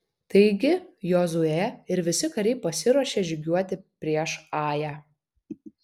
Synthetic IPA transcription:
t̪ɐɪɡʲɪjɔːzʊɛɪɾʋʲɪsʲɪkɐɾʲɛɪpɐsʲɪɾuɔʃʲeːʒʲʊɡʲuɔt̪ʲɪpʲɾʲiɛʃɑːjæː

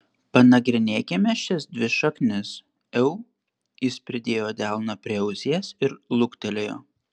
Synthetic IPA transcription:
pɐnɐɡɾʲɪnʲeːkʲɛmʲɛʃʲɪsd̪ʲʋʲɪʃɐknʲɪs | ɛʊ | jɪspʲɾʲɪd̪ʲeːjoːd̪ʲæˑlˠnɐpʲɾʲiɛɛʊzʲiɛsɪɾlˠʊkt̪ʲɛlʲeːjo̰ː

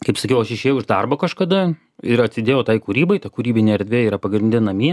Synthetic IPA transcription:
kɐɪpsɐkʲɛʊɐʃɪʃʲeːjʊɪʒd̪ɐrbokɐʃkɐd̪ɐ | ɪɾɐt̪ʲsʲɪd̪ʲeːjɛʊt̪ɐɪkuɾʲiːbɐɪt̪ɐkuɾʲiːbʲɪnʲeːɛɾʲd̪ʲʋʲeːiːɾɐpɐɡɾʲɪnd̪ʲɪnɐmʲi

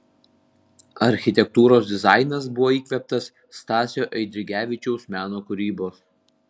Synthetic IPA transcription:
ɐɾʲxʲɪt̪ʲɛk̚t̪uːɾoːsd̪ʲɪzɑˑɪnɐsbʊʋoːiːkʋʲɛp̚t̪ɐsːt̪ɑːsʲoːʔɛɪd̪ʲɾʲɪɡʲæːʋʲɪt͡ʃʲɛʊsmʲæːnoːkʊɾʲiːboːs

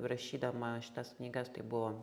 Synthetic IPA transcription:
pɾɐʃʲiːd̪ɐmɐʃʲɪt̪ɐsknʲiːɡɐst̪ɐɪbuʋoː

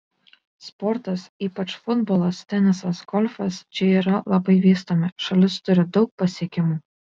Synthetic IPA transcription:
spɔɾt̪ɐsiːpɐt͡ʃfʊd̪bɔːlˠɐst̪ʲɛnʲɪsɐsɡɔlʲfʲɐst͡ʃʲɪiːɾɐlˠɐbɐɪʋʲiːst̪omʲɪʃɐlʲɪst̪ʊɾʲɪd̪ɒʊk̚pɐsʲiɛkʲɪmuː

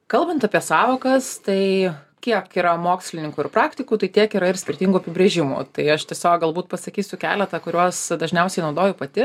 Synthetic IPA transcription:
kɐlˠbɐnt̪ɐpʲiɛsɑːʋoːkɐst̪ɐɪkʲiɛkiːɾɐmoːksʲlʲɪnʲɪŋkʊːɪɾrpɾɑːkt̪ʲɪkuːt̪ɐɪt̪ʲiɛkiːɾɐɪrsʲkʲɪrʲt̪ʲɪŋɡuɐpʲɪbʲɾʲeːʒʲɪmṵːt̪ɐɪɐʃt̪ʲɛsʲoːk̚ɡɐlˠbuːt̪̚pɐsɐkʲiːsʲʊkʲæ̰ːlʲɛt̪ɐkʊɾʲuɔsd̪ɐʒʲnʲɛʊsʲɛɪnɐʊd̪oːjʊpɐt̪ʲɪ

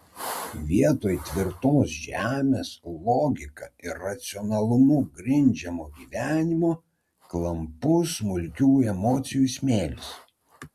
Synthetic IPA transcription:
ʋʲiɛt̪oːjt̪ʲʋʲɪɾt̪oːsʒʲæːmʲeːslˠɔːɡʲɪkɑɪɾːɐt̪sʲɪɔnɐlˠʊmʊɡɾʲɪnʲd͡ʒʲɛmoːɡʲiːʋʲæːnʲɪmoː | klˠɐmpʊsmʊlʲkʲuːɛmɔːt̪sʲɪjusʲmʲeːlʲɪs

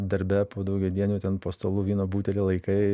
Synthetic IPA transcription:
d̪ɐɾʲbʲɛpoːd̪ɐʊɡʲɛd̪ʲiɛnʲuːt̪ʲɛnpoːst̪oːlˠuːʋʲiːnoːbuːt̪ʲɛlʲeːlˠɐɪkɐɪ

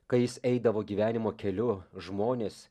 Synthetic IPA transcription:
kɐɪjɪsɛɪd̪ɐʋoːɡʲiːʋʲæːnʲɪmoːkʲɛlʲʊʒmoːnʲeːs

